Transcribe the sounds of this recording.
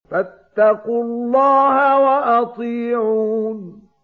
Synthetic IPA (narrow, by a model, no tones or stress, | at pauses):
fat̪ːɑqʊllːɑːhawaʔɑt̪ˤiːʕuːn